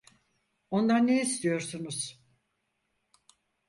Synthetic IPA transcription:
o̞nd̪anːeist̪ʰijo̞ɾsunuz̥

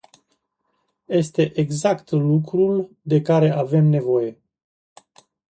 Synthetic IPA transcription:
je̞st̪e̞ʔeɡzakt̪lukɾul | d̪e̞kaɾe̞ʔave̞mne̞vo̞je̞

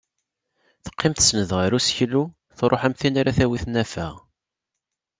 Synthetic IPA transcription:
θə̥qːɪmθə̥snəðʁəɾusçlːu | θɾˤoħæmθinaɾæθæwiθnæfæʁ

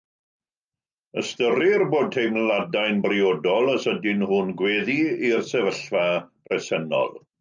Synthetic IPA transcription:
əstəɾɪrboːd̚hejmlˠadajnbriɔdɔlˠəsədɪnhʊnɡweːðiirsɛvəɬvḁ | rɛsɛnɔ̰lˠ

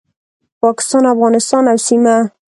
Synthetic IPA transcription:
pɑkɪ̥st̪ɑnafɣɑnɪst̪ɑnawsima

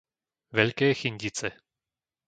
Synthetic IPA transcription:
vɛʎkɛːxiɲɟit͡sɛ

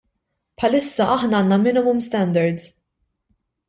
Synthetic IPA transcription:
pħɐlɪsːɐʔɐħnɐɐːnːɐmɪnɪmʊmst̪ɛnd̪ɐɾd̪z

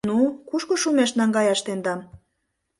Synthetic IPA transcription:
nukuʃkoʃumeʃnɑŋɡɑjɑʃt̪end̪ɑm

